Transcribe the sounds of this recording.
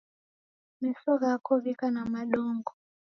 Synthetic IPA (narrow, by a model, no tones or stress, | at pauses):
mɛsɔɣakɔβikanamaɗɔŋɡɔ